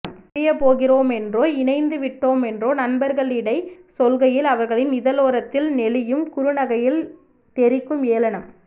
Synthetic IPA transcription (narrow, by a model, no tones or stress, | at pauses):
mɪjɐpoːɣɪroːmɛndroːɪnɐɪnd̪ɯʋɪʈːoːmɛndroːnɐnbɐɾɣɐɭɪɽɐɪsɔlɣɐjɪlɐʋɐɾɣɐɭɪnɪðɐloːɾɐt̪ːɪlnɛlɪjɯmkʊɾɯnɐɣɐjɪl | t̪ɛɾɪkːɯmeːlɐɳɐm